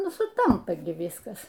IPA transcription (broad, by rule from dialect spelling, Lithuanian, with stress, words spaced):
ˈnʊ sʊˈtɐmpɐ ɡʲɪ ˈʋʲiːskɐs